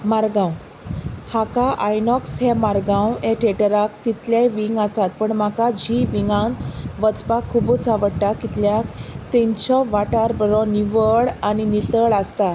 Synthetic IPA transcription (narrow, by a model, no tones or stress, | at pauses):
maɾɡãw | hakaʔajnɔksɦɛmaɾɡãweʈʰeʈəɾak̚t̪it̪ljajʋiŋɡasat̪̚pəɳmakad͡ʑiʋiŋɡãnʋət͡spakʰːubut͡saʋəɽʈakit̪ljakt̪eɲt͡ɕɔʋaʈaɾbəɾɔniʋəɭaninit̪əɭast̪a